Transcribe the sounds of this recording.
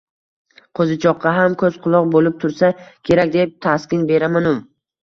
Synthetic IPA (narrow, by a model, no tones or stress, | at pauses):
qʰɵzɪt͡ʃʰɒqʰːɑɦamkʰɵzqʰʊlˠɒqbolɪp̚t̪ʰʊɾsakʲʰe̞ɾakʲd̪ep̚t̪ʰaskʲɪnbe̞ɾamanʊm